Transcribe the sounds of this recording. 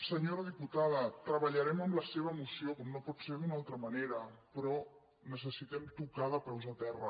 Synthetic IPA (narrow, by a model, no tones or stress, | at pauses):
səɲoɾəð̞iput̪aðət̪ɾəβəʎəɾɛməmləseβ̞əːmusiokɔmnopɔtseɾðunalˠt̪ɾəməneɾəpɾɔ | nəsəsit̪ɛmt̪ukaðəpɛwzət̪ɛrə̰